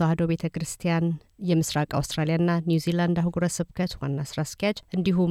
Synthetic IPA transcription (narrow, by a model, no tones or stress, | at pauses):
had̪oβet̪ʰəkʰɨɾɨst̪ʰijan | jɛmɨsɾakʼa̰wst̪ʼɾalijaɨnːanjuziland̪ahuɡuɾəsɨβkʰət̪wa̰nːasɨɾaskjat͡ʃʼʔɨnd̪iɦu